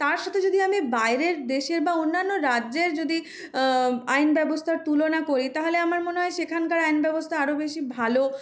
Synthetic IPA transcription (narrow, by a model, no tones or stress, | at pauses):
t̪aɾʃat̪ʰed͡ʑod̪iamibajɾeɾd̪eʃeɾbaonːanːoɾadːd͡ʑeɾd͡ʑod̪i | ajnbɛbost̪ʰaɾt̪ulonakoɾit̪aɦoleamaɾmoneɦɔeʃekʰankaɾajnbɛbost̪ʰaaɾobeʃibʱalo